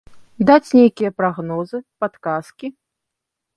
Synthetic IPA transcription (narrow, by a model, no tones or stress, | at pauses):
d̪at͡sʲnʲejkʲijɐpɾaɣnɔzɨpat̪kaskʲi